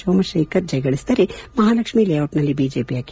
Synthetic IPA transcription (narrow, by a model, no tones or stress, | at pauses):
oːmɐʃeːkɐt̪̚d͡ʒɐjɡɐɭist̪ɐɾemɐɦaːlɐkʃmilejawʈnɐlibiːd͡ʒeːpijaːk